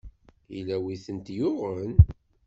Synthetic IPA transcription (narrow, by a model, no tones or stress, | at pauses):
ilæwiθənt̪jʊʁən